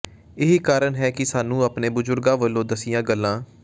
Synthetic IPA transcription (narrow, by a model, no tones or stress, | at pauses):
ɪɦiːkaːɾənɦɛːkɪsaːnũːapneːbʊzʊɾɡãːʋəlːõːd̪əsɪjãːɡəlːãː